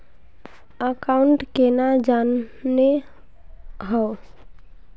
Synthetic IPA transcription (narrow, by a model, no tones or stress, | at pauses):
əkaʊɳʈkenad͡ʒanːe | ɦə